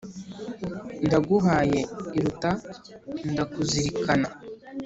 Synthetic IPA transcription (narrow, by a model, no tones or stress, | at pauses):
ndaɡuɦaːje̞iɾutandakuziɾikana